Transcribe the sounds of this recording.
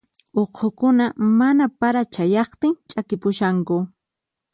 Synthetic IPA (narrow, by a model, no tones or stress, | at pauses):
oqʰokʊnamanapaɾat͡ʃajɑχt̪ɪŋt͡ʃʼakɪpʊʃaŋkʊ